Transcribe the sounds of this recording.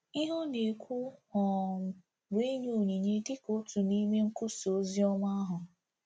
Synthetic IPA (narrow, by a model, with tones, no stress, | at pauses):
i˦ɦʊ˦ne˨kʷu˦ɔ˨m̩˨ | be˦ɲo˨˦˨ɲi˨ɲe˦dɪ˦ko˦tu˨ni˦me˦ŋ̩˦kʊ˦so˨˦zi˦ɔ˦ma˦ɦʊ˨